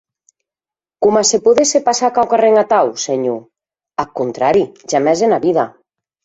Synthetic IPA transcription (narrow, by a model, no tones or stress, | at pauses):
komasepoðesepasakawkareŋat̪awseɲu | akont̪ɾaɾiʒamɛzenaβiða